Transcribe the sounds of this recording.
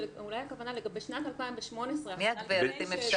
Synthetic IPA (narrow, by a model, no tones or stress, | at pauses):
ulajakavanaleɡabeʃnat̪alpaimbeʃmo̞nesʁemiad̪beɾt̪imefʃ